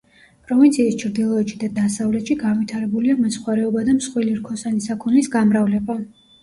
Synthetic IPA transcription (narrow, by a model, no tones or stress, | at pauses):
pʼɾɔvint̪sʰiːst͡ʃʰɾd̪ilˠɔɛt̪ʃid̪ad̪asavlɛt̪ʃiɡanvit̪ʰaɾɛbuliamɔsχwaɾɛɔbad̪amsχwiliɾkʰɔsanisakʰunisɡamɾavlɛba